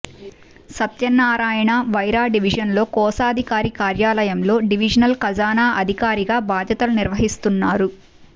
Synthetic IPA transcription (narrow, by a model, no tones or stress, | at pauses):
sɐt̪jɐnːaːɾaːjɐɳɐʋɐjɾaːɖiʋid͡ʒɐnlo̞ːkɔːsaːd̪ʱikaːɾikaːɾjaːlɐjɐmlo̞ːɖiʋid͡ʒɐnɐlkɐd͡ʒaːnaːʔɐd̪ʱikaːɾiɡaːbaːd̪ʱjɐt̪ɐluniɾʋɐɦist̪unːaːɾu